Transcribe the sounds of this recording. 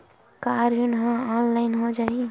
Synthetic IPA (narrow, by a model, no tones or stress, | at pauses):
kaɾjunɦãɔnlaɪnɦod͡ʒaɦi